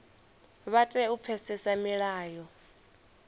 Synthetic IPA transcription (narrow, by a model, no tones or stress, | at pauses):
βatʼɛup̪fʰɛsɛsamiɺaːjɔ